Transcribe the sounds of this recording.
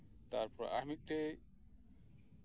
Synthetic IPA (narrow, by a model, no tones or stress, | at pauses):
t̪aɾpɔɾa̰mit̪̚ˀʈe